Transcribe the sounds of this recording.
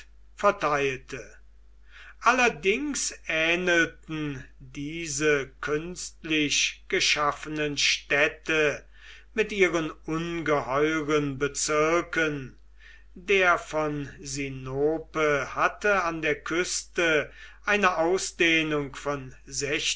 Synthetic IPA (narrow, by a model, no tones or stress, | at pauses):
fɛɐtʰaɪltʰə | ʔalɐdɪŋsɛːnəltn̩diːzəkʰʏnstlɪɕɡ̥əʃafənənʃtɛtə | mɪtʔiːʁənʊnɡəhɔʏʁənbət͡sɪɐkən | deːɐfɔnzinoːpəhatəandeːɐkʰʏstəʔaɪnəʔaʊsd̪̥eːnʊŋkfɔnzɛç